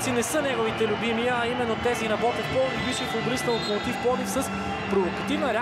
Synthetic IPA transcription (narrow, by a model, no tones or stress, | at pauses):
t̪sinɛsənɛɡʊvit̪ɛlʲʊbimijəːimɛnːot̪ɛzinɐbɔt̪ɛpɔlˠd̪ibiʃɛfob̪ɾisnɐlˠopot̪ifpɔd̪ifsəs | pɾovokɐt̪ivnəɾɛ